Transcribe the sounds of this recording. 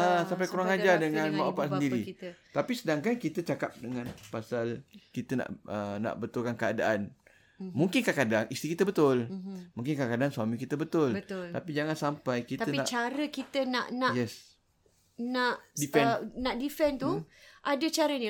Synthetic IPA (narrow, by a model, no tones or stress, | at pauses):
asampajkuɾaŋad͡ʒadəŋãnmaapasəndiɾiit̪apisədaŋkankit̪ət͡ʃakap̚dəŋãnpasalkit̪əna̰ʔəna̰ʔbət̪ʊlkankəa̰da̰ʔan | mũŋkɪnkakadaŋist̪ikit̪əbət̪ʊlmũŋkɪnkakadaŋsuamĩkit̪əbət̪ʊlb̪lt̪apid͡ʒaŋansampajkit̪əiat͡ʃaɾəkit̪ənaʔnãʔjɛs | naʔdifɛnaʔdifɛnt̪uʔadət͡ʃaɾəni